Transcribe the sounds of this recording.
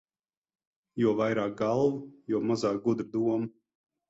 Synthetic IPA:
juɔvajɾaːk̚ɡalˠvujuɔmazaːk̚ɡud̪ɾd̪uɔm

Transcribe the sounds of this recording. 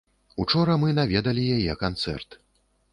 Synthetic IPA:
ut͡ʂɔɾɐmɨnavʲɛd̪ɐlʲijajɛkant̪sɛ̰rt̪

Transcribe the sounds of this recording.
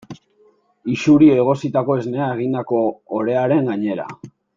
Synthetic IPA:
iʃuɾioeɣ̞o̞sit̪ako̞e̞zne̞aeɣind̪ako̞ːɾe̞aɾe̞ŋɡaɲe̞ɾa̰

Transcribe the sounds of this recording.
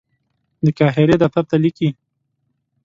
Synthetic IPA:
d̪əkɑɦeɾed̪at̪ab̚t̪aliki

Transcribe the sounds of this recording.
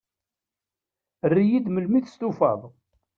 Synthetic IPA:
ərːijid̪məlmiθst̪ufɑ̰ðˤ

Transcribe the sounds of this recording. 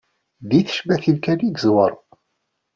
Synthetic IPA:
ðiθə̥ʃbæθilkæliɡəzwəɾˤ

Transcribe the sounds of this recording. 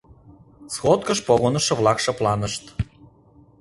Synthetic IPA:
sxot̪̚kəʃpoɣonɤ̆ʃɤ̆vlˠɑkʃɤ̆plˠɑnə̆ʃt̪

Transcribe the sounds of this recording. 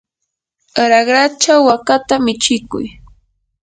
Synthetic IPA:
aɾaɢɾat͡ʃawːakat̪amɪt͡ʃɪkʊ̰j

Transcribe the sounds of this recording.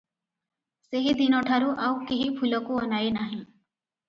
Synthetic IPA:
seɦid̪inɔʈʰaɾuʔawkiɦipʰulɔkuɔnaenaɦĩ

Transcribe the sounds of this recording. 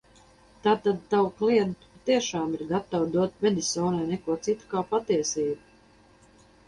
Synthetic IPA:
t̪aːt̪ad̪̚t̪awkliɛd̪t̪u̥pat̪iɛʃaːmiɾɡat̪awd̪uɔt̪̚mʲɛd̪isɔːnajnɛkuɔt̪sit̪u̥kaːpat̪iɛsiːbu

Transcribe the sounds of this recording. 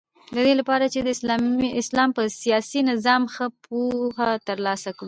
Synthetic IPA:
d̪əd̪elapɑɾat͡ʃed̪əɪslɑɪslɑmpəsijɑsinɪzɑmxəpʰohat̪əɾlɑsakɽu

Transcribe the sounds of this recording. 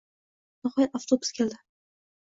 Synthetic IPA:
nɪhɒjat̪aft̪ʰobʊ̥skʲʰeld̪ɪ

